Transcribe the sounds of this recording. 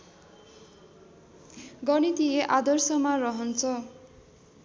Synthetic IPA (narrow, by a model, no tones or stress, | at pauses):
ɡʌnit̪ieʔad̪ʌrsʌmarʌɦʌnt͡sʰʌ